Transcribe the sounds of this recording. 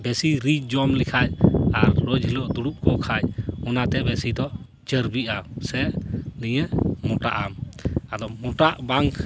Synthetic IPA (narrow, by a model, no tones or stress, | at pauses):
bɛsiɾid͡ʒd͡ʒɔmlikʰajaɾːod͡ʒɦiloʔd̪uɽuʔ̚kɔkʰajɔnat̪ɛbɛsid̪ɔʔ | t͡ʃəɾbiʔasɛʔlijəmɔʈa̰ʔamad̪ɔmɔʈaʔbaŋk